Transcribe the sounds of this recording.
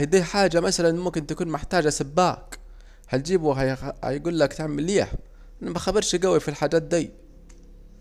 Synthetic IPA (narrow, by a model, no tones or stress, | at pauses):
d̪iːħaːd͡ʒamasalanmʊmkɪnt̪akuːnmʊħt̪aːd͡ʒʔasabːaːk | haj̪d͡ʒiːbuɦaha̰jɡuːlːakt̪ɪʕmɪlːiːħ | ʔanːamaxabɪɾʃɡawifilħaːd͡ʒaːt̪̚d̪aj